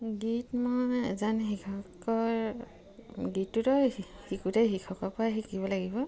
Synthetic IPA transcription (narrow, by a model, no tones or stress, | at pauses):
ɡitmɔjɛ̰zanxikʰɔkɔɹ | ɡitːutɔhikutɛxikʰɔkɔpʊaxikiβɔlaɡibɔ